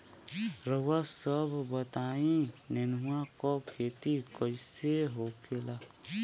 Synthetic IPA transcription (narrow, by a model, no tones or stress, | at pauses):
ɾəwasəbʱbət̪aːĩnenuãkɔkʰeːt̪ikəɪseɦokela